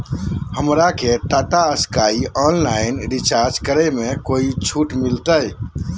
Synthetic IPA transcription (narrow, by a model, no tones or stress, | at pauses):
həmɾaket̪aʈ̪aəskaiʔɔnlaɪnɾit͡ʃaɾd͡ʒkəɾəmekoit͡ʃʰuʈmilt̪əj